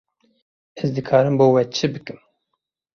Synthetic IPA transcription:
ɛzd̪ɨkʰɑːɾɨmboːwɛt͡ʃʰɨbɨkɨm

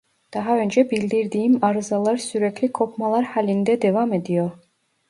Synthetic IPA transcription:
d̪̥aɦaø̞nd͡ʒɛbilʲd̪iɾd̪iːimaɾɯzalˠaɾsyɾɛclʲikʰopʰmalˠaɾhalʲind̪ɛd̪evame̞d̪ijoɾ

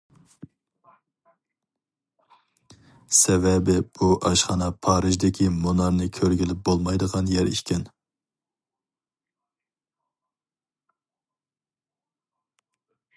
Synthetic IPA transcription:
sɛvɛbɪb̥uʔɑʃχɑnɑpʰɑːɾɨʒd̪ɪkʲʰimonɑɾnɨkʲʰøɾɡʲilɪp̚bolˠmɑjd̪əʁɑnjɛɾḭʃkʲʰɛn

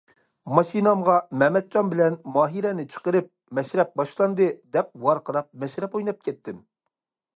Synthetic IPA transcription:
mɑʃinɑmʁɑmɛmɛt̪̚t͡ʃɑnbɪlɛnmɑːɦiɾɛnɪt͡ʃʰə̥qəɾɨp̚mɛʃɾɛp̚bɑʃlˠɑnd̪ɨd̪ɛp̚wɑɾqʰəɾɑp̚mɛʃɾɛpojnɑp̚kʲʰɛt̪ʰːɪm

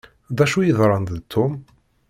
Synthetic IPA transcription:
ðæʃujəðˤɾˤɑnd̪t̪ʰːʊm

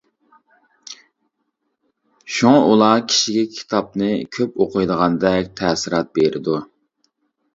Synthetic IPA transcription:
ʃuŋɑʔulˠɑkʲʰi̥ʃiɡʲɛkʲʰi̥t̪ʰɑp̚nɨkʲʰøpoqʰəjd̪əʁɑnd̪ɛk̚ʲt̪ʰɛsɪɾɑt̪̚beɾɪ̰d̪u

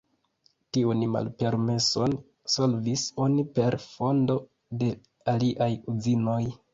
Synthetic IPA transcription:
tiunma̰lpe̞ɾme̞so̞n | so̞lviso̞nipe̞ɾfo̞ndo̞ | de̞ | aliʔajuzino̞j

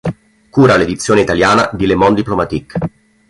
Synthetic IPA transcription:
kuːɾaled̪it̪sːjoːneit̪aljaːnad̪ilemɔnd̪iplomat̪ikː

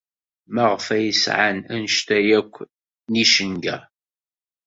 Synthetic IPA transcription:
mæʁfæjəsʕanænʃt̪æjækʷː | niʃənɡæ̰

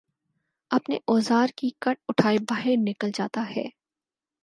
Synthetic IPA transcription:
ɐpneʔɔːzaːɾkikɐʈ̚ʊʈʰaːibaːɦɪɾnɪkəld͡ʒaːt̪aɦɛ̰ː

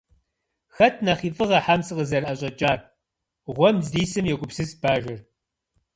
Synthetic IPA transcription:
xɐtʰnɐχiːfʼɨʁɐħamsɨqəzɐɾɐɕʼɐt͡ʃʼaːr | ʁʷɔmzdiːsɨmjɛɡʷʊpsɨsb̥aːʒɪr

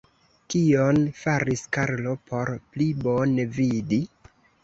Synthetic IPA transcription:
kionfaɾiskaɾlo̞pʰo̞ɾplibonevidi

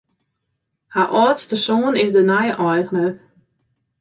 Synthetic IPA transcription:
haʔɔːtstəsoːənɪsdənajəʔɔjɣənə

